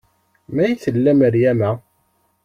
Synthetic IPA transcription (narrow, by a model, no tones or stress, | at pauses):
mæjθəlːæməɾjæmæ